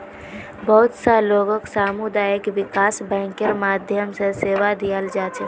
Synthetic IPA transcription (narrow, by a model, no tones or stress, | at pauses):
bəɦut̪səloɡəksaːmud̪aːjəkʋɪkasbɛ̃ːŋkəɾmaːd̪ʱjəmsə̃seːʋad̪ijəld͡ʒaːt͡ʃʰɛ